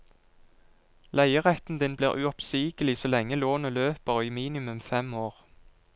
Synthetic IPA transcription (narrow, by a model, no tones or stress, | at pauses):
læɪəʁɛt̪n̩d̪ɪnblḭːʁʔʉɔpsiːkəlɪsoːlɛŋːəloːnəløːpəʁiːmiːnɪmʉmfɛmoːʁ